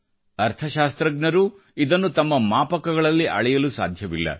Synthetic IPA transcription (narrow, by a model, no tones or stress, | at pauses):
ɐɾt̪ʰɐʃaːst̪ɾɐɡɳɐɾu | id̪ɐnːut̪ɐmːɐmaːpɐkɐɡɐɭɐlːiʔɐɭɛjɐlusa̰ːd̪ʱjɐʋilːɐ̰